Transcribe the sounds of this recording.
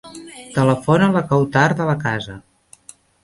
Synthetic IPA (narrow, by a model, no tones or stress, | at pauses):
t̪ələfonələkəwt̪aɾðələkazə